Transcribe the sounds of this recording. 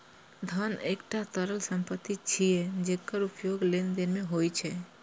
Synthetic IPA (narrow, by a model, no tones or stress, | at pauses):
d̪ʱanekʈat̪əɾəlsəmpət̪ːit͡ʃʰied͡ʒekːəɾupjoɡlend̪enmeɦojt͡ʃʰe